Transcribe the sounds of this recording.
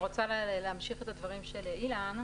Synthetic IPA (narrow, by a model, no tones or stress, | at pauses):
ʁot͡salleamʃiχe̞t̪advaʁimʃeleʔilan